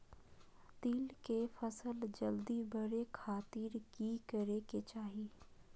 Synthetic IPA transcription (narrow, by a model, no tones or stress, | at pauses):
t̪iːlkefəsəld͡ʒəld̪ibəɾekʰaːt̪iːɾkikəɾeket͡ʃaːɦiː